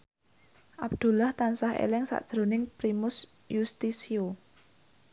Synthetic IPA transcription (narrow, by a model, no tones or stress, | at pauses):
ʔab̚d̪̥ṳlaht̪ansaɦḛlɪŋsa̰ʔd̥ʒ̥ɾo̤nɪŋpɾimʊs | just̪isio